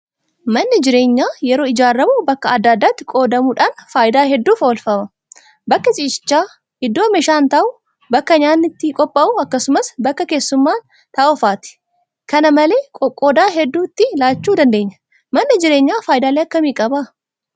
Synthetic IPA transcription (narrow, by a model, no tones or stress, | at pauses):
mɐnːɪd͡ʒɪɾe̞ːɲːaːjɛɾo̞ːɪd͡ʒaːrːɐbubɐkːɐɐd̪ːaːd̪ːaːt̪ːɪ̥kʼo̞ːd̪ɐmuːᶑaːnfaːjɪd̪aːɦɛd̪ːuːfoːlfɐmɐ | bɐkːɐt͡ʃʼiːʃɪ̥t͡ʃːaː | hɪd̪ːoːmɛʃaːnt̪ɐʔu | bɐkːɐɲaːnːɪt̪ːɪkʼɔpʼːɐʔuɐkːɐsʊmɐsbɐkːɐke̞ːsːʊmːaːn | t̪ɐɔfaːt̪ɪ̥ | kɐnɐmɐle̞ːkʼɔkʼoːd̪aːɦɛd̪ːuːt̪ːɪlaːt͡ʃːuːd̪ɐnd̪e̞ːɲːɐ̥ | mɐnːɪd͡ʒɪɾeːɲːaːfaːʔɪd̪aːleːɐkːɐmiːkʼɐba